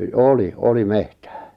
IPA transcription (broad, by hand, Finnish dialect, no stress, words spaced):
oˑli oli mehtæ̥ː